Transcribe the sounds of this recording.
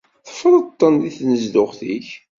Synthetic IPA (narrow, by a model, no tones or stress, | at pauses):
θə̥fɾˤət̪ˤːənðiθnəzd̪ʊʁθḭç